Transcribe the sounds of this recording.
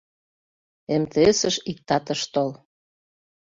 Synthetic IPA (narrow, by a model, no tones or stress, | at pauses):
emt̪eesəʃik̚t̪ɑt̪əʃt̪ol